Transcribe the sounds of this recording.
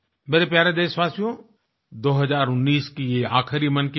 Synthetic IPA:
bɐd̪epjaːɾed̪eːsʋaːsijõ | d̪oːɦɐzaːɾʊnːiːskiea̰ːkʰɾimɐnk

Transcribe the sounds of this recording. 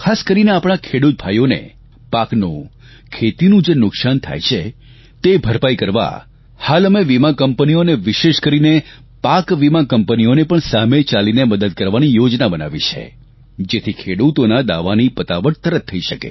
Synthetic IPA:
kʰaskəɾineapɳ̃akʰeɽut̪̚bʱajonḛ | paknṵ̃ | kʰet̪inũd͡ʒenʊksant̪ʰa̰jt͡ʃʰe | t̪ebʱəɾpaikəɾʋa̰ | haləmeʋimakəmpənioneʋɪʃeʃkəɾine | pakʋimãkəmpənionepəɳsamet͡ʃalineməd̪əd̪̚kəɾʋanijod͡ʒnabəna̰ʋit͡ʃʰḛ | d͡ʒet̪ʰikʰeɽut̪onad̪a̰ʋanipət̪aʋəʈ̚t̪əɾət̪ʰːəiʃəkḛ

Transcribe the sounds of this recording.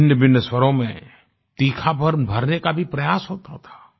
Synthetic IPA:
njəbɪnːəswəɾõmẽ | t̪iːkʰabʱəɾbʱɐɾnekabʱipɾɐjaːsɦoːt̪at̪ʰḁː

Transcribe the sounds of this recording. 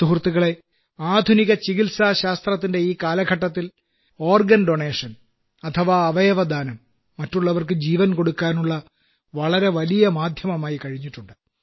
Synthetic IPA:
suɦrt̪ːiɣɐɭe̞ | aːd̪ʱuniɣɐt͡ɕiɣilsaːɕaːst̪rɐt̪ːinde̞iːkaːlɐɡʱɐʈːɐt̪ːil | o̞ːrɡɐnɖoɳe̞ːʂɐn | ɐt̪ʰɐʋaːʋɐjɐʋɐd̪aːnɐmː | ɐtːuɭːɐʋɐrkɨd͡ʑiːʋɐnko̞ɽukːaːnuɭːɐ | ʋɐɭɐɾe̞ʋɐlijɐmaːd̪ʱjɐmɐmaːjikɐɻiɲːiʈːuɳɖɨ

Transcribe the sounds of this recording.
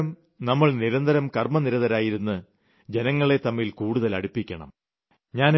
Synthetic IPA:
ɐm | nɐmːɐɭniɾɐnd̪ɐɾɐmkɐrmɐniɾɐðɐɾaːjiɾunːɨ | d͡ʑe̞nɐŋːɐɭe̞t̪ɐmːilkuːɽuðɐlɐ̰ɽipːikʲːɐɳɐ̰m | ɲaːn

